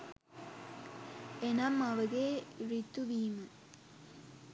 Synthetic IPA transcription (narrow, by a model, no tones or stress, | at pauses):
enɐmɐʋɐɡeɾit̪ːuʋiːmɨ